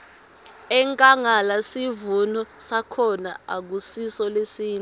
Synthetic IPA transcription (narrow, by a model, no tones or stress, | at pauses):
ɛŋkʼaŋalasivunɔsakʰɔna̰a̰k̬usisɔlesiːn